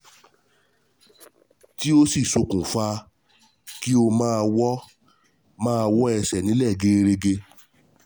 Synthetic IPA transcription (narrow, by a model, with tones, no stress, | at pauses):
ti˦o˦si˦˨so˨˧kũ˨fa˧ | ki˦o˧mãː˦a˧wɔ˦ | mãː˦a˧wɔ˦ɛ˧sɛ˨nĩ˨˦lɛ˦˨ɡe˧˦˧ɾe˧ɡe˧